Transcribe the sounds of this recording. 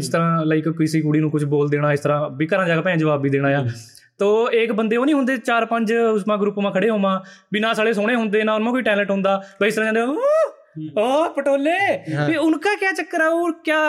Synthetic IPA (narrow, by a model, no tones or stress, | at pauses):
ɪst̪əɾãːlaːɪkkiːsiːkuːɽiːnũːkʊt͡ʃʰboːld̪eːɽaːɪst̪əɾãːbikəɾãːd͡ʒaːɡaːpɛ̃ːd͡ʒəʋaːbːiːd̪eːɽ̃aːjaː | t̪oːeːkbənd̪eːoːnĩɦʊ̃nd̪eːt͡ʃaːɾpəɲd͡ʒʊsmãːɡɾuːpːmãːkʰəɽeːɦoːmãːbinãːsaːleːsoːɽ̃eːɦʊnd̪eːnãːʊnmãːkoːiːʈɛːləʈɦʊ̃nd̪aːbaɪst̪əɾãːd͡ʒaːnd̪eo | oːpəʈoːleːʊnkaːkjaːt͡ʃəkːəɾaːoːɾkjaː